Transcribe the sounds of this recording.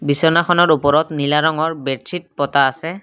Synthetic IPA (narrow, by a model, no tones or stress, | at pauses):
bisɔnaxʰɔnɔɹupɔɹɔtnilaɹɔŋɔɹbɛtsʰit̚pɔtaːsɛ